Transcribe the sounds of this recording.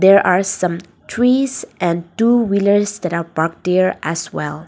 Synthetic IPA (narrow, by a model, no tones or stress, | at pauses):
d̪ɛɹʔaɹsʌ̃m | tʰɹisʔɛ̃ntuwiləɹsd̪ætapaɹk̚dɛɹʔæswɛ̰lˠ